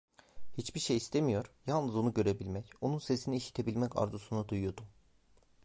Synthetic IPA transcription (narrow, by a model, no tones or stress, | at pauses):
hit͡ʃbiɾʃejist̪ʰemijo̞ɾ̥jalˠnɯzonuɟø̞ɾebilʲmɛco̞nunse̞siniːʃi̥t̪ʰe̞bilʲmɛca̰ɾzusunad̪ujujo̞d̪u